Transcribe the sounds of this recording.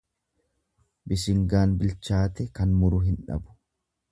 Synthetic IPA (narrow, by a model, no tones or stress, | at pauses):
bɪʃɪŋɡaːnbɪlt͡ʃaːt̪ɛkɐnmʊɾʊɦɪnᶑɐ̰bʊ̥